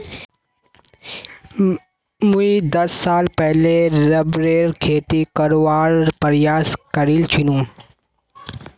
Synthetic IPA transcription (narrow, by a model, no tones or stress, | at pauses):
muid̪ɐsːaːlpɛɦleɾɐbɾeːɾkʰeːt̪ikɐɾʋaːɾpɐɾjaːskɐɾilt͡ʃʰʊnũː